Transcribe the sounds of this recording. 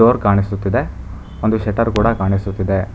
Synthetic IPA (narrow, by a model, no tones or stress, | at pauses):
oːɾkaːɳisut̪ːid̪e̞ | ond̪uʃɛʈɐɾkuːɽɐkaːɳisut̪ːid̪e